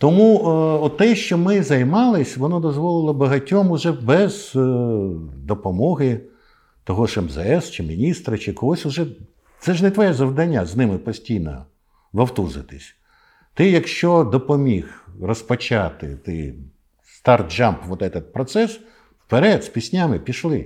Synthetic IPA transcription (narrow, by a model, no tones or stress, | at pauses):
t̪ɔmuɔt̪ːɛʃt͡ʃɔmɪzɐjmɑlˠɪsʲʋɔnɔd̪ɔzʋɔlˠɪlˠɐbɐɦɐtʲɔmʊʒɛbɛz | d̪ɔpɔmɔɦɪ | t̪ɔɦɔʃɛmzɛɛst͡ʃɪmʲinʲist̪ɾɐt͡ʃɪkɔlˠɔsʲʊʒɛ | t̪sɛʒnɛt̪ʋɔjɛzɐwd̪ɐnʲːaznɪmɪpɔsʲtʲijnɔ̰ | ʋɐwt̪uzɪt̪ɪsʲ | t̪ɪjɐkʃt͡ʃɔd̪ɔpɔmʲixrɔspɔt͡ʃɑt̪ɪ̰t̪ɛj | st̪ɑrt̪̚d͡ʒɑmpʋɔd̪ɛt̪ɐt̪̚pɾɔt̪sɛs | wpeɾɛd̪sʲpʲisʲnʲamɪpʲiʃlˠɪ